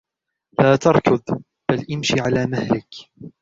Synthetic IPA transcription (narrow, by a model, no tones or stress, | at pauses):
laːt̪ɑɾˤkʊð | b̥alʔɪmʃiʕalaːmahlɪk